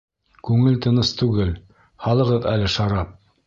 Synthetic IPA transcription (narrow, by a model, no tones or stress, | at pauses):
kʉŋɘlt̪ɤ̆nɤst̪ʉɡɘl | hɑlˠɤ̆ʁɤðælɘʃɑɾɑp̚